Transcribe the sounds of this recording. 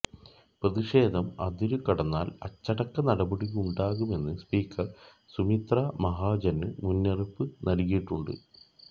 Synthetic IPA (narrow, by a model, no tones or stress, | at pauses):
prɐðiʂe̞ːd̪ʱɐmɐ̰d̪iɾukɐɽɐnːa̰ːlɐt͡ɕːɐɽɐkːɐnɐɽɐbɐɽiɣuuɳɖaːɣume̞nːɨspiːkʰːɐr | sumit̪ramɐɦaːd͡ʑɐnːɨmunːɐrɐpːɨnɐlɣijiʈːuɳɖɨ̰